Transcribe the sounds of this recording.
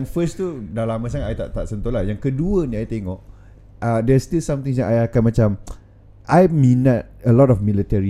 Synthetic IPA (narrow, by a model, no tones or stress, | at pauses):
aŋfəst̪udalamãs̬aŋatajt̪a̰ʔt̪aʔsənt̪ɔlahjaŋkəduənĩajt̪eŋɔʔ | ədɛstilsãmt̪ĩŋsjaŋʔajakanmãt͡ʃam | ʔajmĩnat̚əlɔtɔfmilit̪ɛɹi